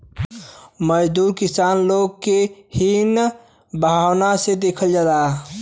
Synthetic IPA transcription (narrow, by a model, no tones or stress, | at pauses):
məd͡ʒd̪uːɾkɪsaːnloːɡ̚kehin | bʱaːwnased̪eːkʰəld͡ʒad̪aː